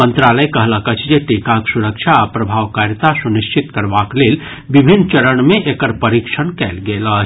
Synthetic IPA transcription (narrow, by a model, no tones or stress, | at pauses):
mənt̪ɾaləjkəɦləkət͡ʃʰd͡ʒeʈikaksuɾəkt͡ʃʰaːpɾəbʱaːwkaɾjət̪asuniʃt͡ʃʰit̪kəɾbaklel | bibʱinːt͡ʃəɾəɳ̃mẽʔekəɾpəɾikʃʰəɳkɛːlɡeləɦ